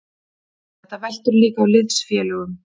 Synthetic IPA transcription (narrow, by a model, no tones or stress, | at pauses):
θɛht̪avɛl̥t̪ʏɾliːkaːwlɪðsfjɛːlʏɣʏm